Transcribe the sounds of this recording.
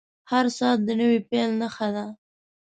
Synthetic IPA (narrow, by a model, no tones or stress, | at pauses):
haɾsɑːt̪̚d̪ənəwepelnəxad̪a